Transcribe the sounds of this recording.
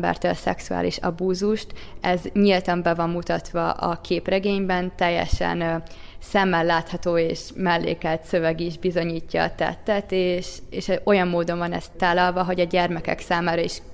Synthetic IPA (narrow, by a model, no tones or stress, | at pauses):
bɛ̰rt̪ølsɛ̰ksua̰ːlḭʃɒ̰buːzuʃt̪ɛzɲilt̪ɒmbɛvɒmːut̪ɒt̪ʋɒ̰ʔɒ̰kʰeːprɛɡeːɲbɛnt̪ɛjːɛ̰ʃɛ̰n | sɛmːɛlːaːt̪hɒt̪oːeːʃmɛlːḛːkɛlt̪sø̞vɛɡiʒbizo̞ɲiːcːɒ̰ːt̪ɛ̰t̪ːɛt̪eːʃeːʃɛo̞jɒmːoːd̪o̞ɱvɒnɛ̰st̪ːaːlːɒlvɒɦo̞ɟɒɟɛrmɛkɛ̰ksaːmaːɾɒiʃ